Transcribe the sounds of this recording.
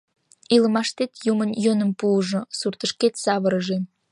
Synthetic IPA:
ilə̆mɑʃt̪et̪jumənjonəmpuːʒosurt̪əʃket̪sɑβəɾəʒe

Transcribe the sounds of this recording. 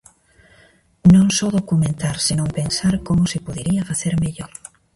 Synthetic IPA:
nõŋsɔðokumẽnt̪aɾsenõŋpensaɾkomʊsɪpoðeɾiɐfaθeɾmeʎoɾ

